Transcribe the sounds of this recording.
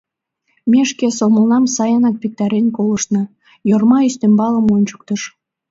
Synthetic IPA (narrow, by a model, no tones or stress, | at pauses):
mʲeʃkesolməlnɑmsɑjɑnɑk̚pek̚t̪ɑɾenkoləʃnɤ̆ | jormɑist̪embɑləmonʲt͡ɕə̥k̚t̪əʃ